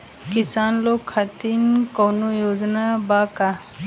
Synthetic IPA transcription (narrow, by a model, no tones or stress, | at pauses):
kɪsaːnloːɡʰat̪inkoːnojoːd͡ʒnabaːka